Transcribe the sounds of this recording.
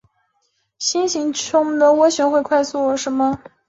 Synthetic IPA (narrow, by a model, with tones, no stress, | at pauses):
ɕi˥nɕi˧˥ŋt͡ɕʰʊ˥ŋ˧d̪ə˧wɔ˥ɕɥɛ˧˥nxwe˥˧ɪkʰwa˥˧ɪsu˥˩˧ʂə˧˥mə˧